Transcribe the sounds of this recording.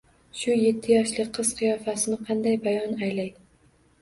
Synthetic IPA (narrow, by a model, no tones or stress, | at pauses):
ʃʊje̞t̪ʰːɪjɒʃlɪqʰːɨz̥qʰɨjɒfasɪnɪqʰɑnd̪ajbajɒnajlajd̪ɪ